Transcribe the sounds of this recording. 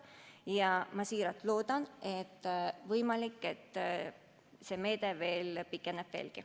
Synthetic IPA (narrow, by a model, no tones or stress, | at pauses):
jɑmɑsiːɾɑt̪ːˑlo̞ːd̪ɑnet̪ːvɤjmɑlikːe̞t̪ːˑ | se̞me̞ːd̪eve̞ːlpikːˑeneb̥vḛːlki